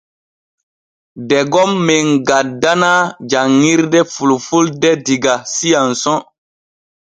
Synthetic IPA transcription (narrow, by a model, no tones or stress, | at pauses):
dɛɡɔmːeŋɡat̚danad͡ʒaŋːiɾdɛfulfuldɛdiɡasijansɔ̃